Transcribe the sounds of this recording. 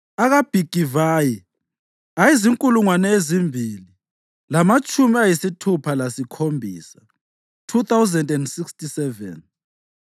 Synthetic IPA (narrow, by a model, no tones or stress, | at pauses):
aɣab̥ʱiɡ̥ʱivaji | ajiziŋkʼuluŋwanɛezimbʱili | lamat͡ʃʼumiajisitʰupʰalasikʰombʱḭːsa | tʰuθawzɛndɛndsikstisɛvɛ̰n